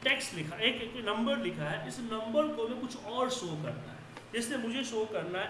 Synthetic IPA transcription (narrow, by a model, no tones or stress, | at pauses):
ʈeːksʈlɪkʰaʔeːkeknɐ̃mbəɾlɪkʰaɦɛʔɪsnɐ̃mbəɾkomẽkʊt͡ʃʰɔːɾsoːkɐ̰ɾna̰ɦɛ | d͡ʒɪsnemʊd͡ʒʱeʃoːkɐɾnaɦɛ